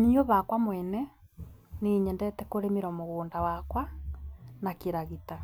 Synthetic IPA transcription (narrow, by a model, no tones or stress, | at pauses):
nioβakwamwɛnɛ | neːɲɛndɛtɛkoɾemeɾɔmoɣoːndawakwa | nakiɾaɣita